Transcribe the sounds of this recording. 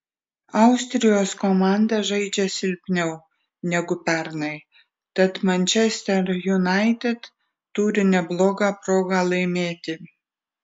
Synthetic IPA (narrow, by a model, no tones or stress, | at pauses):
ɐʊsʲt̪ʲɾʲɪjoːskomɑˑnd̪ɐʒɐɪd͡ʒʲɛsʲɪlʲpʲnʲɛʊ | nʲɛɡʊpʲɛɾnɐɪ | t̪ɐt̪mɐnʲt͡ʃʲɛsʲt̪ʲɛɾjʊnɑɪt̪ʲɛt̪ː | uːɾʲɪnʲɛblˠoːɡɑːpɾoːɡɑːlˠɐɪmʲeːt̪ʲɪ